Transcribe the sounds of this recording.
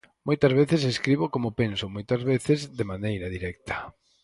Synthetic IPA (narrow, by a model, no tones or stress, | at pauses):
mojt̪ɐzβeθɪseskɾiβʊkomʊpensʊmojt̪ɐzβeθɪzðemanejɾɐðiɾɛk̚t̪ʰɐ̥